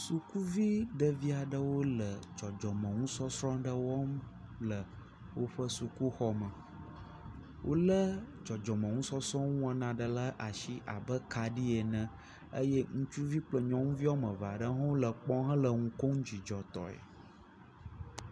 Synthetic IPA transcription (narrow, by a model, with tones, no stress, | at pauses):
su˨ku˦vi˦ɖə˨vi˦a˨ɖə˦wo˦lə˨d͡ʒɔ˨d͡ʒɔ˨mə̃˨ŋũ˦sɔ˦sɾɔ̃˦ɖə˦wɔ˦m | lə˨ | wo˦ɸə˦su˨ku˦xɔ˦mə̃˨ | wʔo˦lə˦ | d͡ʒɔ˨d͡ʒɔ˨mə̃˨ŋũ˦sɔ˦sɾɔ̃˦ŋũ˦ã˨nã˨ɖə˨lə˦ʔa˨ʃi˦ʔa˨bə˦ka˨ɖi˦e˨nə̃˨ | ə˦jɛ˦ŋũ˦t͡ʃu˦vi˦k͡plə˦ɲɔ̃˨˦ŋũ˦vi˦wo˦mə̃˨va˨ɖə˦ɦɔ̃˦wo˦lə˨k͡pɔ̃˦ɦə̃˦lə˨ŋũ˨ko˦ŋ˦d͡ʑi˨d͡ʒɔ˨t̪ɔ̰˨ḛ˨